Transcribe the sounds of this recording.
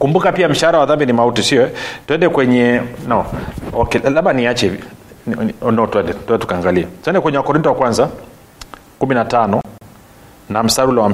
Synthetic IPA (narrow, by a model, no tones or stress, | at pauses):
kumbukapiam̩ʃaaɾawaðambinimautisiɔɛtuɛndɛkwɛɲɛnawakɛlaɓaniat͡ʃɛ | ɔnɔtwɛndɛtwɛndɛtu̥kaːŋɡaliatwɛndɛkwɛɲɛwakɔɾintɔwakwanza | kuminatanɔ | nam̩saɾulɔwa